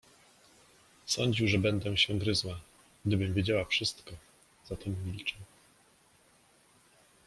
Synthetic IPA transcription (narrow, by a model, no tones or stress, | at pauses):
sɔɲd͡ʑiwʐɛbɛnd̪ɛ̃ɕɛ̃ɡɾɘzwa | ɡd̪ɘbɘmvʲjed͡ʑawafʂɘst̪kɔ | z̥at̪ɛmːʲilt͡ʂɛ